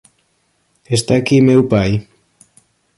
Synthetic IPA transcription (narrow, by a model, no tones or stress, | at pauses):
est̪akimewpaj